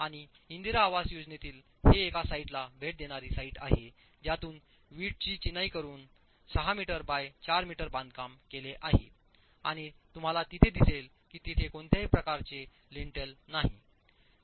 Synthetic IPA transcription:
aɽ̃i | ind̪iɾaːʋasjod͡znet̪iːl | heːkasaiʈlabʱeʈ̚d̪eɽ̃aɾiːsaiːʈaɦe | d͡ʑjat̪uːn | ʋiːʈ̚t͡ɕiːt͡ɕinaikəɾuːn | səɦamiʈəɾbajt͡ɕaɾmiʈəɾbãnd̪̚kamkeleʔaɦḛ | a̰ɽ̃it̪um̤alat̪it̪ʰed̪isel | kiːt̪it̪ʰekoɳt̪ʰjaɦipɾəkaɾt͡ɕe | liɳʈəlnaɦi

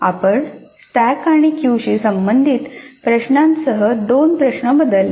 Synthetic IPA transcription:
a̰pəɾsʈækaɽ̃ikjuɕisəmbənd̪ʱiːt̪pɾəɕnãnsəɦəd̪onpɾəɕɳəbəd̪əl

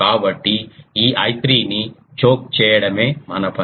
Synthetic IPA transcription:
aːʋɐʈːiiːaːjt̪ɾiːnit͡ʃoːk̚t͡ʃeːɽɐmẽmɐnɐpʰɐ

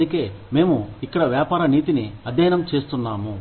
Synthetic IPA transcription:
uke̞ːme̞ːmuikːɐɽɐʋjaːpaːɾɐniːt̪iniɐd̪ʱːɐjɐnɐmt͡ʃe̞ːst̪unːaːmu

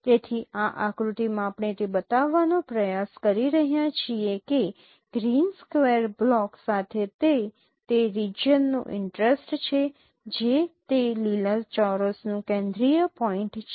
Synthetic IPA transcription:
t̪et̪ʰiãʔakɾut̪imãːpɳet̪ebət̪aʋːanopɾəjaskəɾiɾəɦjãt͡ʃʰieke | ɡ̥ɾinskʋeɾblɔksat̪ʰet̪e | t̪eɾid͡ʒənːṵ̃ʔɪ̰ɳʈɾesʈt͡ʃʰe | d͡ʒet̪eliləɾt͡ʃɔɾəsnũkɛ̃nd̪ɾijəpɔĩɳʈt͡ʃʰe

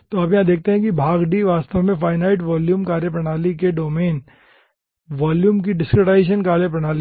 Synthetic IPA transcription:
t̪oaːpjɐɦãd̪eːk̚ʰt̪eɦɛ̃kibʱaːɡɖiʋaːst̪əʋmẽfaːɪnaːɪʈʋɔːljuːmkaːɾjəpɾɐɽ̃aːlikeɖoːmeːn | ʋaːljuːmk̬iɖɪskɾeʈaːɪʃ̬ənkaːljəpɾɐɽ̃aːli

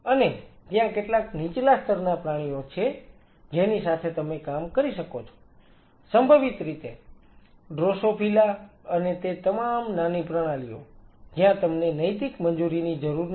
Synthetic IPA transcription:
ənet̪jãkeʈlaknit͡ʃlast̪əɾnapɾaɽ̃ijot͡ʃʰe | d͡ʒenisat̪ʰet̪əmekamkəɾiʃəkot͡ʃʰo̥ | səmbʱəʋit̪ɾit̪e | ɖɾosopʰilaənet̪et̪əmamnanipɾəɽ̃alio̰d͡ʒjãt̪əmnenəjt̪ikmənd͡ʒuɾinid͡ʒəɾuɾn

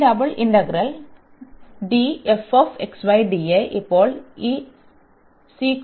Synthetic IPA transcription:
dɐbɐɭʔinɖɐɡɾɐl | ɖiefofeksʋɐjɖieʔipːoːɭi | si

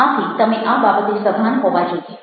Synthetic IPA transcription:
at̪ʰit̪əmeʔababət̪ũsəbʱanɦɔʋad͡ʒoi

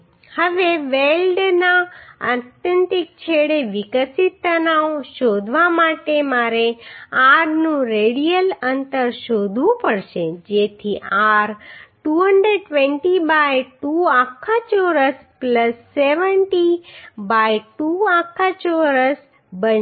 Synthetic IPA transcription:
həʋeʋelɖnaa̰t̪jənt̪ik̚t͡ʃʰeɽeʋɪkəsit̪ːənaoʃod̪ʱʋamaʈemaɾeaɾnũɾeɽijələnt̪əɾʃod̪ʱʋũpəɽʃed͡ʒet̪ʰiaɾʈuɦəɳɖɾeɖʈʋẽɳʈibajʈuakʰːat͡ʃoɾəspləsːeʋəɳʈibajʈuakʰːat͡ʃoɾəs | bən

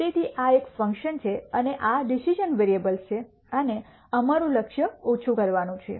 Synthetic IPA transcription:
et̪ʰiʔaekfəŋkʃənt͡ʃʰeəneʔaɖisid͡ʒənʋeɾiebəlt͡ʃʰe | əne | əmaɾũləkʃjəot͡ʃʰũkəɾʋanũt͡ʃʰḛ

